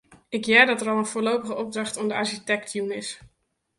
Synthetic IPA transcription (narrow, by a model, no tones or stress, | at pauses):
ɪkjɛːɹdɑtəɾɑlˠənfʊːɹlowpəχəɔb̚drɑχtɔmdəaɹʃitɛktjunɪs